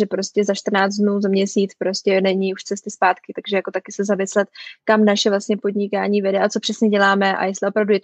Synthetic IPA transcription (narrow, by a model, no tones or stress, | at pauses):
ʒɛpɾoscɛzaʃt̪r̩naːt͡sdnuːzamɲɛsiːt͡spɾo̞scɛnɛɲiuʃt͡sɛst̪ɪspaːt̪kɪt̪aɡʒɛjako̞t̪akɪsɛzamɪslɛt̪kamnaʃɛvlastɲɛpo̞dɲɪkaːɲiːvɛdɛʔat͡so̞pr̥ɛsɲɛɟɛlaːmɛʔa̰jɛst̪lɪo̞pɾavdujɛt̪